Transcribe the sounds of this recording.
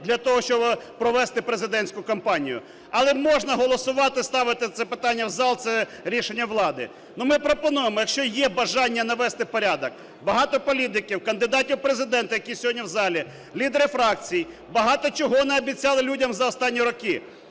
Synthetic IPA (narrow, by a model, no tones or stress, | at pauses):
d̪lʲɐt̪ɔɦɔʃt͡ʃɔbpɾɔʋɛst̪ɪpɾezɪd̪ɛnʲsʲkʊkɐmpɑnʲijʊ̰ | ɐlˠɛmɔʒnɐɦɔlˠɔsʊʋɑt̪ɪst̪ɑʋɪt̪ɪt̪sɛpɪt̪ɑnʲːɐwzɑlˠt̪sɛɾʲiʃenʲːɐʋlˠɑd̪ɪ̰ | numɪpɾɔpɔnujemɔjɐkʃt͡ʃɔjɛbɐʒɑnʲːɐnɐʋɛst̪ɪpɔɾʲad̪ɔk | bɐɦɑt̪ɔpɔlʲit̪ɪkʲiwkɐnd̪ɪd̪ɑtʲiwpɾezɪd̪ɛnt̪ɐjɐkʲijsʲɦɔdʲnʲiwzɑlʲi | lʲid̪eɾɪfɾɑk̚t͡sʲij | bɐɦɑt̪ɔt͡ʃɔɦɔnɛɐbʲit͡sʲːɑlˠɪlʲudʲɐmzɐɔst̪ɑnʲːiɾɔkɪ